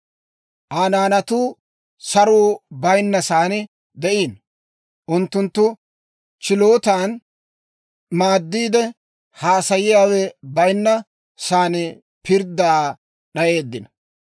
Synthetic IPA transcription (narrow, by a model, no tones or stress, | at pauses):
ʔaːnaːnɐt̪uː | sɐɾuːbɐjnːɐsaːnɪ | d̪ɛʔiːn | ʔʊnt̪ːʊnt̪ːʊ | t͡ʃɪlo̞ːt̪aːn | maːd̪ːiːd̪ɛ | haːsɐjɪjaːwɛbɐjnːɐ | saːnɪ | pɪɾd̪ɐaː | ɗɐʔe̞ːd̪ːɪnɐ